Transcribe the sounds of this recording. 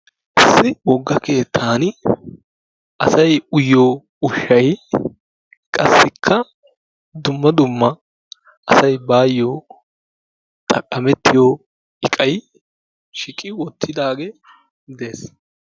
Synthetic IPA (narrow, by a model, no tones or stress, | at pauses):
ʔɪsːɪwɔɡːɐke̞ːt̪ʰːaːn | ʔɐsɐjʊjːoː | ʊʃːɐj | kʼɐsːɪkʰːɐ | d̪ʊmːɐd̪ʊmːɐ | ʔɐsɐjbaːjːoː | t̪ʼɐkʼːɐmɛt̪ːɪjoː | ɪkʼɐj | ʃɪkʼːɪwɔt̪ʰːɪd̪aːɡe | d̪e̞ːs